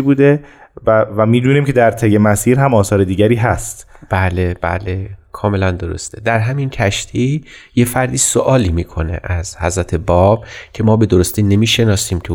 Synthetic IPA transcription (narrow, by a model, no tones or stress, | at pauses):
buːd̪e | væmiːd̪uːniːmcʰed̪æɾt̪ʰeje̞mæsiːɾɦæmɒːsɒːɾed̪iːɟæɾiːɦæst̪b̥æːleb̥æ̰ːle̞kʰɒːme̞lænd̪oɾo̞̰st̪ʰe̞d̪æɾɦæmincʰæʃt̪ʰiːjefæɾd̪iːsoʔɒːliːmiːkʰo̞ne̞̰ʔæz̥hæ̰zɾæt̪ʰe̞bɒːb̥̚cʰe̞mɒːbe̞d̪oɾost̪iːne̞miːʃe̞nɒːsiːmt̪ʰu